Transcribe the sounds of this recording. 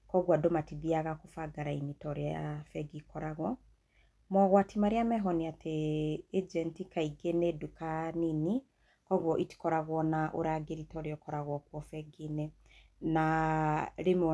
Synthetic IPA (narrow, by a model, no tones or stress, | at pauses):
kɔɣwadɔmatiβiaɣakofaɡaɾainitɔɾeafɛɡikɔɾaɣwɔ | mɔɣwatimaɾeamɛɦɔniatʰeː | d͡ʒɛntikaiɡenedukanini | kɔɣwɔʔiti̥kɔɾaɣwɔnaʔoɾaːɡeɾitɔɾeɔkɔɾaɣwɔkwɔfɛɡine | na | ɾemɔ